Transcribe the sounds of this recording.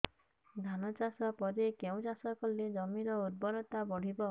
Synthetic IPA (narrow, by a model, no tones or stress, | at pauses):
d̪ʱanɔt͡ʃasɔpɔɾekeũt͡ʃasɔkɔled͡ʒɔmiɾɔud̪̚bɔɾɔt̪abɔɽ̤ibɔ